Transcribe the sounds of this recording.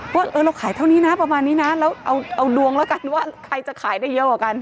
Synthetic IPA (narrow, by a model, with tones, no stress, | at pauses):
waː˥˩ʔɤː˧ɾa˧wkʰaː˩˦jt̪ʰa˥˩wniː˦˥na˦˥pɾa˧maː˧nːiː˦˥na˦˥lɛː˦˥wʔa˧wʔa˧wdu˧əŋlɛː˦˥wka˧nwaː˥˩kʰɾa˧jt͡ɕa˨˩kʰaː˩˦jdaː˥˩jːɤ˦˥ʔkaː˨˩ka˧n